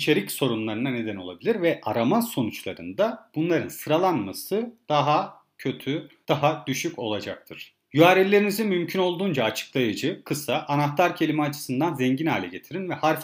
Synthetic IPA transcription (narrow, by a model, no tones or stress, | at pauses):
t͡ʃʰe̞ɾicso̞ɾunlˠaɾɯnane̞d̪æno̞lˠabilʲiɾvɛʔa̰ɾamanso̞nut͡ʃlˠa̰ɾɯ̰nd̪ab̥unlˠaɾɯnsɯɾalˠanmasɯd̪̥aɦa | cʰø̞t̪ʰyd̪̥aɦad̪̥yʃyco̞̰lˠad͡ʒa̰k̚t̪ʰɯɾ̥ | jyaːɾelʲe̞ɾinizinmymcʰyno̞lˠd̪uːnd͡ʒaːt͡ʃʰɯ̥klˠajɯd͡ʒɯkʰɯsaʔːnaxt̪aɾcʰe̞lʲimɛat͡ʃʰɯ̥sɯnd̪anzɛɲɟinha̰ːlʲɛɟe̞t̪ʰiɾinvɛhaɾf